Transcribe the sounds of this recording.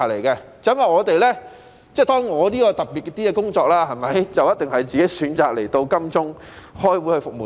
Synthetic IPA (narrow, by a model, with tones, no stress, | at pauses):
le˨˩jkɛː˧ | t͡sɐ˨˥mɐ˨˩ŋɔː˨˧t̪e˨jlɛː˥ | t͡sɛː˥t̪ɔː˥ŋŋɔː˨˧liː˥kɔː˧t̪ɐ˨˩p̚pi˨kɛ˧t̪iː˥kɛ˧kʊ˥ŋt͡sɔː˧k̚laː˧hɐ˨˩jmɐ˨˧˥jt͡sɐ˨wjɐ˥t̚t̪ɪ˨ŋhɐ˨˩jt͡siː˨ke˨˥jsyː˨˥nt͡saː˨k̚le˨˩jt̪o˧wkɐ˥mt͡sʊ˥ŋ | hɔː˥jwuː˨˥hɵ˧fʊ˨k̚muː˨˩